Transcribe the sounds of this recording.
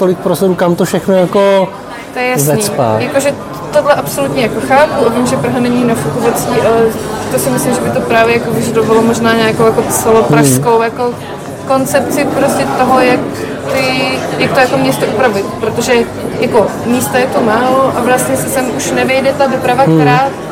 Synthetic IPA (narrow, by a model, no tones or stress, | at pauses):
t̪olɪk̚pɾosodukamt̪ofʃɛxnojako | t̪ojɛjaszɛnisːpa̰ːjako̞ʒɛ | t̪oɦlɛʔapso̞lut̪ɲɛjakoxaːpuʔavimʒɛpr̩ɦanɛɲinafukovat͡siːʔalɛt̪osɪmɪslɪmʒɛbɪt̪o̞pɾaːvjɛjakovɪʒadovalomo̞ʒnaːɲaːkowjako̞t͡sɛlo̞pɾafsko̞wjako̞ | ko̞nt͡sɛpt͡sɪpɾoscɛt̪o̞ɦo̞jak | t̪ɪjak̚t̪ojakomɲɛst̪oʔupɾavɪt̪pɾot̪oʒɛ | jako̞miːst̪ajɛt̪umaːloʔavlast̪ɲɛsɪsɛmʔuʃnɛvjɛjdɛt̪adopɾavakɾaːt̪